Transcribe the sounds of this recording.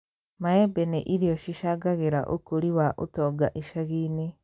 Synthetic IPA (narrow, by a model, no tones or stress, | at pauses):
maɛbɛneʔiɾiɔʃiʃaɡaɣeɾa̰ʔo̰koɾiwaʔo̰tɔːɡaʔiʃaɣiːne